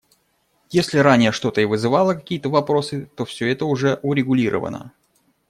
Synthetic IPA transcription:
jesʲlʲɪɾanʲɪjəʂt̪o̞t̪əivɨzɨvɑlˠəkɐkʲijət̪əvɐpɾo̞sɨt̪o̞fsʲɵɛt̪əʊʐɛʔʊɾʲɪɡʊlʲiɾʔə̰və̰nə̰

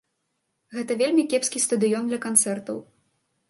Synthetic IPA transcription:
ɣɛt̪ɐvʲelʲmʲikʲɛpskʲist̪ɐd̪ɨjɔnd̪lʲɐkant̪sɛrt̪ɐw

